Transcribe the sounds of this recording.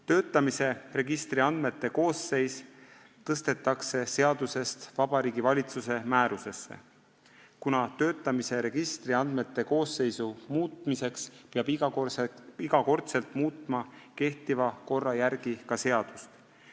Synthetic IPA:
t̪ø̞ːt̪ˑːɑmise̞re̞ɡ̥ist̪riɑnd̪me̞t̪ːe̞ko̞ːsːe̞js | t̪ɤst̪e̞t̪ːˑɑkse̞se̞ɑd̪̥use̞st̪vɑb̥ɑɾiːɡ̥ivɑlʲit̪suse̞mæːɾuse̞sːe̞̰ | kunɑt̪ø̞ːt̪ːˑɑmise̞ɾe̞ɡ̥ist̪riɑnd̪̥me̞t̪ːe̞ko̞ːse̞jsumuːt̪mise̞kspeɑb̥i | iɡ̥ɑko̞rt̪se̞lt̪ˑmuːt̪ˑmɑke̞ht̪ivɑko̞rːɑjæɾɡ̥ikɑse̞ɑd̪̥ust̪

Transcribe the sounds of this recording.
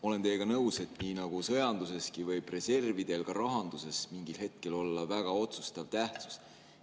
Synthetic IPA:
o̞le̞nt̪e̞ːɡ̥ɑnɤwse̞t̪ˑniːnɑɡ̥usɤ̞jɑnd̪̥use̞skivɤ̞jb̥re̞se̞rvid̪̥e̞lkɑɾɑɦɑnd̪̥use̞smiŋɡilhe̞t̪̚ke̞lo̞lːɑvæɡ̥ɑo̞t̪su̥st̪ɑvt̪æht̪su̥s

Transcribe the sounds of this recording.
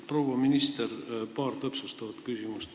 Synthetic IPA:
pro̞ːwɑminist̪erpɑːrt̪ɤpsust̪ɑvɑt̪kysʲimust̪

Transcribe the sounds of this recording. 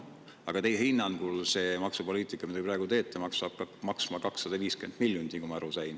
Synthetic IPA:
ɑɡ̥ɑt̪e̞jɦinːɑnɡ̥ulse̞mɑksupo̞liːt̪ˑikːˑɑmid̪jprɑeɡut̪e̞ːt̪ˑːɑmɑkssɑb̥kmɑksmɑkɑksːɑd̪̥ɑviːske̞nd̪̥milʲjund̪ikumɑæɾusɑjn

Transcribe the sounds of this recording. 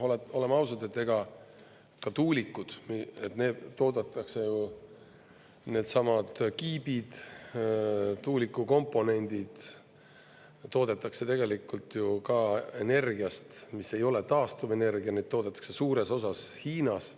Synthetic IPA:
oleo̞le̞mɑwsɑd̪e̞t̪ːe̞ɡ̥ɑ | kɑt̪uːlikːˑud̪̥miet̪ne̞ːt̪ːo̞ːd̪̥et̪ːˑɑkse̞ju | ne̞ːd̪sɑmɑd̪̥kiːbid̪̥ | t̪ːuːlʲikːˑuko̞mpːˑo̞ne̞nʲd̪̥id̪̥ | t̪ːo̞ːd̪et̪ːˑɑkse̞t̪e̞ɡe̞likːˑult̪ːˑjukɑe̞ne̞rɡiɑst̪mise̞jo̞le̞t̪ɑːst̪uve̞ne̞rɡiɑned̪t̪ːo̞ːd̪et̪ːˑɑ̥kse̞suːɾe̞so̞sɑshiːnɑs

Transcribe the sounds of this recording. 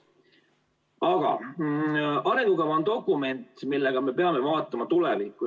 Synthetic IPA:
ɑɡ̥ɑ̰ | ɑɾeŋɡ̥ukɑvɑond̪o̞kˑːume̞nt̪milːeɡ̥ɑme̞pe̞ɑme̞vɑːt̪ːˑɑmɑt̪ulevikːˑu

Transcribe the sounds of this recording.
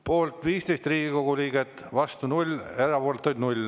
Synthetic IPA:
po̞ːlt̪viːst̪e̞jst̪riːɡ̥iko̞ɡ̥uliːɡ̥et̪ːvɑst̪unulʲe̞ɾɑpolt̪ːˑujd̪nulʲ

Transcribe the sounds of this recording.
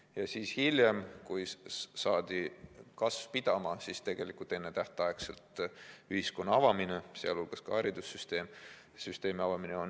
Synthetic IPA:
jɑsiːshilʲje̞mkujsɑːd̪̥ikɑsvpid̪̥ɑmɑsist̪e̞ɡ̥e̞likult̪ːˑe̞nːe̞t̪æht̪ɑekse̞lt̪yhisko̞nːɑɑvɑmineseɑ̰lulɡ̥ɑskɑɑɾid̪̥usːyst̪e̞ːm | syst̪e̞ːmiɑvɑmineo̞n

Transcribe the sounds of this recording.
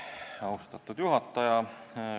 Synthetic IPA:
ɑust̪ɑt̪ːud̪juɦɑt̪ːɑjɑ

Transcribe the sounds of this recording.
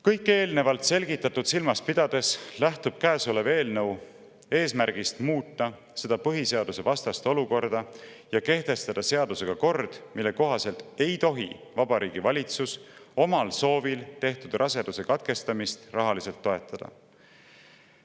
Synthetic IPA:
kɤjkːˑe̞ːlne̞vɑlt̪se̞lɡ̥it̪ːˑɑt̪ːud̪̥silmɑspid̪̥ɑd̪̥e̞slæht̪ub̥̚kæːsole̞ve̞ːlnɤw | e̞ːsmæɾɡ̥ist̪muːt̪ːɑ | se̞d̪̥ɑpɤɦise̞ɑd̪̥use̞vɑst̪ɑst̪o̞luko̞rd̪̥ɑ | jɑke̞ht̪e̞st̪ɑd̪ɑse̞ɑd̪̥use̞ɡ̥ɑko̞rd̪̥milːe̞ko̞ɦɑse̞lt̪ˑe̞jt̪o̞ɦḭvɑb̥ɑɾʔiːɡ̥ivɑlʲit̪suso̞mɑlso̞ːvilt̪e̞ht̪ud̪rʔɑse̞d̪use̞kɑt̪̚ke̞st̪ɑmist̪rɑɦɑlise̞lt̪ːo̞e̞t̪ːˑɑd̪̥ɑ̰

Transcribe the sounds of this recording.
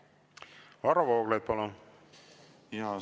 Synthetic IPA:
vɑɾvoːɡlɑjd̪̥̚pɑlun | iɑ

